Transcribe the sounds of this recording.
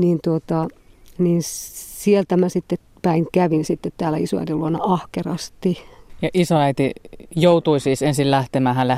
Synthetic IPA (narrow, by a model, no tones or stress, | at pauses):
niːnt̪uot̪ɑniːnsielt̪æmæsit̪ːe | pæiŋkæʋinsit̪ːet̪t̪æːlæisoæ̰it̪iluonːɑɑhkerɑst̪ijɑʔisoæˑit̪ijoˑut̪uisiːsensillæht̪emæhælːæ